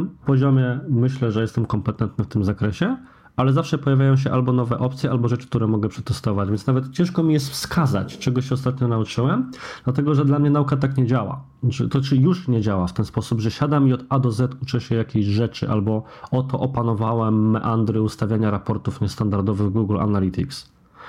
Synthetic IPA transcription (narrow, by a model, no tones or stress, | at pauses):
mpɔʑɔmʲɛmɘɕlɛʐɛjɛst̪ɛmkɔmpɛt̪ɛnt̪̚nɘft̪ɘmzakɾɛɕɛ | alɛzafʂɛpɔjavʲjajɔ̃w̃ɕ̬ɛʔalbɔnɔvɛʔɔpt̪sʲjɛʔalbɔʐɛt͡ʂɘ̥k̚t̪uɾɛmɔɡɛpʂɛt̪ɛst̪ɔvad͡ʑvʲjɛnsnavɛt̪t͡ɕɛ̃ʂkɔmʲijɛst̪fskʰaza̰t͡ɕt͡ʂɛɡɔɕɛɔst̪at̪ɲɔnaut͡ʂɘwɛmd̪̥lat̪ɛɡɔʐɛd̪lamɲɛnaukat̪akɲɛd͡ʑawa̰ | t̪ɔt͡ʂɘjuʂɲɛd͡ʑawaft̪ɛnspɔsubʐɛɕad̪amiɔd̪ad̪ɔzɛt̪ut͡ʂɛɕɛjakʲeʑʐɛt͡ʂɘ̰ʔalbɔɔt̪ɔʔɔpanɔvawɛmːʔand̪ɾɘust̪avʲjaɲaɾapɔɾt̪ufɲɛst̪and̪aɾd̪ɔvɘɣɡuɡla̰nalʲit̪iks